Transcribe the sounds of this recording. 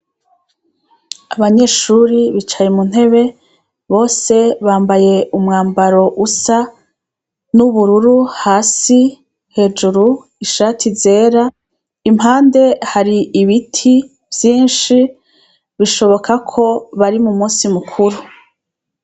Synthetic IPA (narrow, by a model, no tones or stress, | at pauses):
aβaɲe̞ʃuːɾiβit͡ʃajimun̥he̞βe̞ | βo̞ːse̞βaːmbaje̞umŋaːmbaɾo̞ʔusa | nuβuɾuɾuhaːsi | he̞ːd͡ʒuɾu | iʃaːtʰize̞ːɾa | imhaːnde̞haɾiʔiβitʰi | vjiːnʃi | βiʃo̞βo̞kʰakʰo̞βaɾimumuːsimukʰuɾu